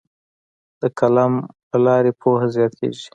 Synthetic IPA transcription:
d̪̥əkʰalamlalɑɾepʰohazjɑt̪ʰḛʒi̥

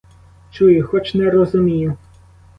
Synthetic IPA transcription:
t͡ʃujʊxɔt͡ʃnɛrɔzʊmʲijʊ

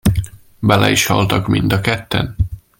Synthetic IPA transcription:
bɛlɛ̰iʃhɒ̰lt̪ɒkmind̪ɒkɛt̪ːɛn

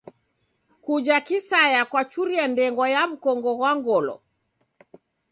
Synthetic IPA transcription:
kud͡ʒakisajakwat͡ʃuɾiandɛŋɡɔjamukɔŋɡɔɣwaŋɡɔlɔ̰

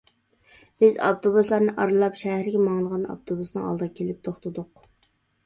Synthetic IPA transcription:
b̥ɪzɑ̰pt̪ʰobus̬lˠɑɾnɨʔɑɾlˠɑpʃæɦɾɡʲɛmɑŋlˠəʁɑnɑ̰pt̪ʰobusnɨŋɑlˠd̪əʁɑkʲʰelɪp̚t̪ʰoχt̪ɨd̪ʊq

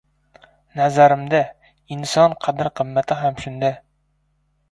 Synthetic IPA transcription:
næzæɾɪmd̪æ | insɒnqʰɑd̪ɪɾqʰɨmːæt̪ʰɪɦæmʃund̪ɛ

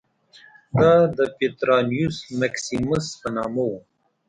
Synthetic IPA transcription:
d̪ɑd̪əpet̪ɾɑnjusmaksiməspənɑːmawu

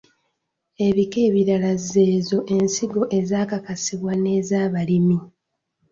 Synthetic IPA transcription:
e̞βike̞ːβiɾalaze̞ːzo̞ʔe̞nsiɡo̞ʔe̞zaːkakasiβwane̞ːzaːβalimi

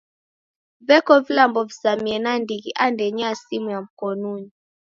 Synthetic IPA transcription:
vɛkɔvilambɔvisamiɛnandiɣiʔandɛɲasimujam̩kɔnuɲi

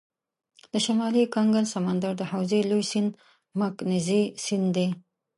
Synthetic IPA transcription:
d̪̥əʃamɑlikɑŋɡalsamand̪aɾd̪əhawzelojsɪn | maknizesɪnd̪e

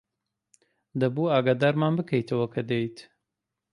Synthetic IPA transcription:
d̪ɐbuːaːɡaːd̪aːɾmaːnbɨkʰɐjt̪ʰɐwɐkʰɐd̪ejt̪

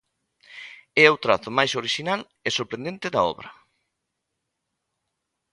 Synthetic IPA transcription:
ɛowt̪ɾa̰θʊmajsoɾiʃinal | esoɾpɾẽnd̪ẽnt̪ɪðɐ̰ɔ̰βɾɐ

